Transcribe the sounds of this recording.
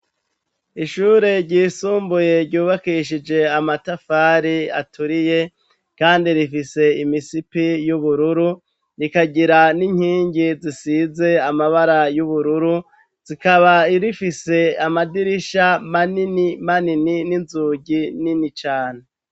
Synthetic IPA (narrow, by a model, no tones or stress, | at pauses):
iʃuːɾe̞ɾɟiːsuːmbuje̞ɾɟuːβakiʃid͡ʒe̞amatafaːɾia̰tuɾije̞ | kaːndiɾifise̞imisipijuβuɾuɾu | ɾikaɟiɾaniɲ̥hiːɲɟizisize̞amaβaɾajuβuɾuɾu | z̥ikaβaiɾifise̞amadiɾiʃamaninimaninininzuːɟininit͡ʃaːne